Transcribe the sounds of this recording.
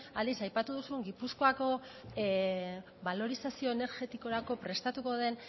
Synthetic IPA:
ald̪isajpat̪uðusueŋɡipusko̞ako̞ | βalo̞ɾisasio̞ene̞ɾɣe̞t̪iko̞ɾako̞pɾe̞st̪at̪uko̞ðe̞n

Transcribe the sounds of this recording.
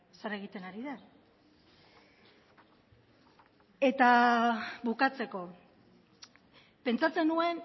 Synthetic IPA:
saɾe̞ɣ̞it̪e̞naɾiðe | e̞t̪a | βukat͡se̞ko̞ | pe̞nt͡sat͡se̞nue̞n

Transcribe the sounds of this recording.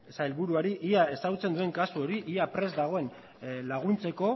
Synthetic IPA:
saelβuɾuaɾiʔiae̞saɣut͡se̞nd̪ue̞ŋkasuo̞ɾiʔiapɾe̞zd̪aɣ̞o̞e̞n | laɣ̞unt͡se̞ko̞

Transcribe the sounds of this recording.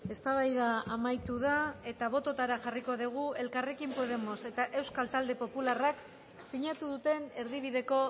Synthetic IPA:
e̞st̪aβajðaːmajt̪uð̞ae̞t̪aβ̞o̞t̪o̞t̪aɾaʝariko̞ðiɣ̞ue̞lkare̞kimpoð̞e̞mo̞se̞t̪aʔe̞wskalt̪ald̪e̞po̞pularak | siɲat̪uðut̪e̞ne̞ɾðiβ̞iðe̞ko̞

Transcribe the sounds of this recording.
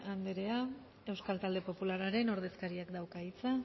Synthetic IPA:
and̪eɾe̞a | e̞wskalt̪ald̪e̞po̞pulaɾaɾe̞no̞ɾð̞e̞skaɾiakd̪awkait͡sa

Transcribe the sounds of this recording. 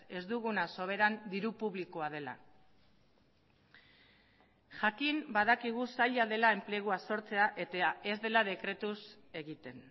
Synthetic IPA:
e̞zd̪uɣ̞unaso̞β̞e̞ɾand̪iɾupuβliko̞að̞e̞la̰ | ʝakimbaðakiɣ̞usaʎaðe̞lae̞mple̞ɣ̞uaso̞ɾt͡se̞aʔe̞t̪aae̞zd̪e̞lað̞e̞kɾe̞t̪us | e̞ɣit̪e̞n

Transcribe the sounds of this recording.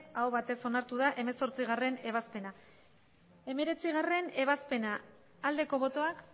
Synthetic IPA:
aoβat̪e̞so̞naɾt̪uð̞aʔe̞me̞so̞ɾt͡siɣare̞ne̞β̞aspe̞na | e̞me̞ɾe̞t͡siɣare̞ne̞βaspe̞naː | ld̪e̞ko̞β̞o̞t̪o̞ak

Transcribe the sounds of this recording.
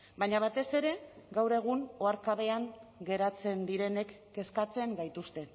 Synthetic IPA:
baɲaβ̞at̪e̞se̞ɾe̞ɡawɾe̞ɣ̞uno̞aɾkaβ̞e̞aŋɡe̞ɾat͡se̞nd̪iɾe̞ne̞kːe̞skat͡se̞ŋɡajt̪ust̪e̞

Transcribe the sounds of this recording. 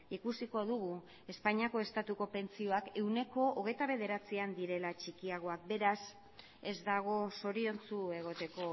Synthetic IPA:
ikusiko̞ðuɣ̞u | e̞spaɲiako̞e̞st̪at̪uko̞pe̞nt͡sio̞ake̞wne̞ko̞ːɣ̞e̞jt̪aβe̞ð̞e̞ɾat͡siand̪iɾe̞lat͡ʃikiaɣ̞o̞ak̚be̞ɾas | e̞zd̪aɣ̞o̞so̞ɾio̞nt͡sue̞ɣ̞o̞t̪e̞ko̞

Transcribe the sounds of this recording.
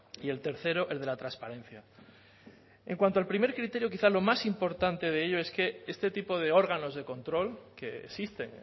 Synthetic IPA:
ie̞lt̪e̞ɾθe̞ɾo̞ʔe̞lðe̞lat̪ɾanspaɾẽ̞n̟θja | e̞̰ŋkwant̪o̞alpɾime̞ɾkɾit̪eɾjokiθalo̞masimpo̞ɾt̪ant̪e̞ð̞e̞eʎo̞e̞ske̞e̞st̪e̞t̪ipo̞ð̞e̞o̞ɾɣ̞ano̞zðe̞ko̞nt̪ɾo̞lke̞ḛsist̪e̞ŋ

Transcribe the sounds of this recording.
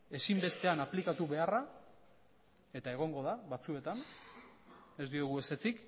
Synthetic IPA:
e̞simbe̞st̪e̞anaplikat̪uβe̞ara | e̞t̪ae̞ɣ̞o̞ŋɡo̞ðaβat͡sue̞t̪an | e̞zd̪ioɣ̞ue̞se̞t͡sik

